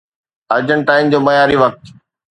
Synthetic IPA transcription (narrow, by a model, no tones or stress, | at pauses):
ɐd͡ʑəɳʈaːɪmd͡ʑoːmɐjaːɾiʋɐk̚t̪